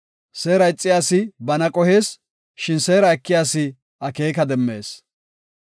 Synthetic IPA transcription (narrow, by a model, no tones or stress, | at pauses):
se̞ːɾɐɪt͡sʼːɪjaːsɪbɐnɐkʼɔheːs | ʃɪnseːɾɐɛkːɪjaːsɪ | ɐke̞ːkɐd̪ɛmːe̞̰ːs